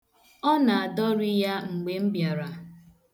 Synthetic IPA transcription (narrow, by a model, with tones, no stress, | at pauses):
ɔ˦na˨a˨dɔ˦ɾi˦ja˦ŋ͡m̩˨ɡ͡be˨m̩˦bja˨ɾa˨